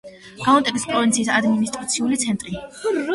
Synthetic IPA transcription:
ɡ̥aɔnt̪ʼɛbispʼɾɔvint̪sʰiːsad̪minist̪ʼɾat̪sʰiulit̪sʰɛnt̪ʼɾi

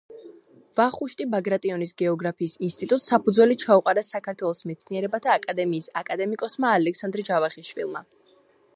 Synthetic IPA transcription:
v̥aχuʃt̪ʼibaɡɾat̪ʼiɔnisɡɛɔɡɾapʰiːsinst̪ʼit̪ʼut̪ʼsapud̪zwɛlit͡ʃʰauqʼaɾasakʰaɾt̪ʰwɛlˠɔsmɛt̪sʰniɛɾɛbat̪ʰaːkʼad̪ɛmiːsakʼad̪ɛmikʼɔsmaːlɛksand̪ɾd͡ʒavaχiʃvḭlˠma

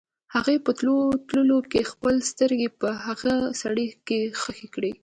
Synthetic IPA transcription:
haɣepət̪lot̪ləlokexpəlst̪əɾɡepəhaɣasaɽikexəxekɽi

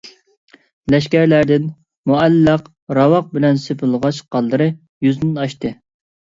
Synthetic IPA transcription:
lɛʃkʲæɾlæɾd̪ɪn | muælːɑq | ɾɑwɑq̚bɪlɛnsepʰɨlˠʁɑʃqʰɑlˠːɨɾɨ | jyznɪnɑʃt̪ɨ

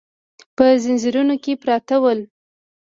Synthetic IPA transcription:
pəzɪnzɪɾunokepɾɑt̪awəl

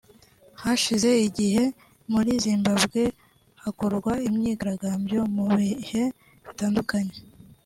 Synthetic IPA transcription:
haʃize̞iɟihe̞ | muɾiziːmbabɡe̞ | hakoɾɡwaimɲiːɡaɾaɡaːmbjo̞muβihe̞ | βitaːndukaɲe̞̥

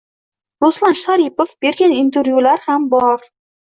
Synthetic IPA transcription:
ɾoslˠanʃaɾipofb̥e̞ɾɡʲanint̪ʰeɾvjulaɾhambɒɾ

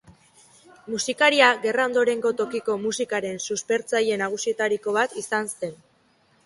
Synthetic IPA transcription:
musikaɾiaɣe̞rao̞nd̪o̞ɾe̞ŋɡo̞t̪o̞kiko̞musikaɾe̞nsuspe̞ɾt͡saje̞naɣ̞usie̞t̪aɾiko̞β̞at̪isanse̞n

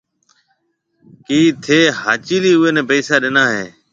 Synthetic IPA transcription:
kiːt̪ʰeːhaːt͡ʃiːliːʊeːnẽːpɛːsaːɗɪnaːɦeː

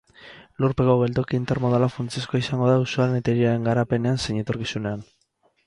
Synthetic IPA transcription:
luɾpe̞koɣe̞ld̪okiːnt̪eɾmo̞ðalafɾant͡sieskoaisaŋɡo̞ðausualenet̪eɾiaɾe̞ŋɡaɾape̞ne̞anseɲe̞t̪o̞ɾkisune̞an

